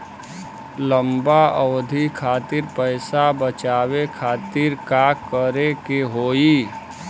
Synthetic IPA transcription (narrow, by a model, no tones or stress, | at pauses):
ləmbaʔəwd̪ʱikʰaːt̪iɾpəɪsabət͡ʃaːwekʰaːt̪ɪɾkakəɾekeɦoːi